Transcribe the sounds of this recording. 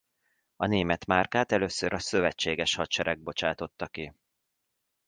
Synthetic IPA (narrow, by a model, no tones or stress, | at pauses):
ɒneːmɛt̪maːrkaːt̪ɛløːsøɾɒsø̞vɛt͡ʃːeːɡɛʃhɒt͡ʃɛɾʔɛɡ̚bo̞t͡ʃaːt̪o̞t̪ːɒki